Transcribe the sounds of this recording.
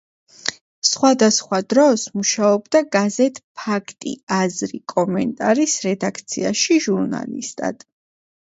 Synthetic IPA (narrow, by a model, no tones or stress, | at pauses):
sχwad̪asχwad̪ɾɔsmuʃaɔbd̪aɡazɛt̪ʰʼpʰakʰt̪ʼḭazɾikʼɔmɛnt̪ʼaɾisɾɛd̪akʰt̪sʰiaʃiʒuɾna̰lḭst̪ʼa̰d̪̥